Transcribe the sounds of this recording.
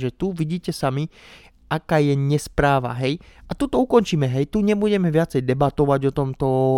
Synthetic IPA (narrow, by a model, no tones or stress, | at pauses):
ʒɛt̪uʋiɟiːcɛsami | ʔakaːjɛɲɛspɾaːʋa̰ɦɛjʔat̪ut̪ɔukɔnt͡ʃiːmɛɦɛjt̪uɲɛbuɟɛmɛʋɪat͡sɛjd̪ɛbat̪ɔʋaɟɔt̪ɔmt̪ɔ